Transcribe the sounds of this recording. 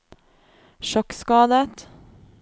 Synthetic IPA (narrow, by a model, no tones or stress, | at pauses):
ʃɔkskɑːd̪ət̪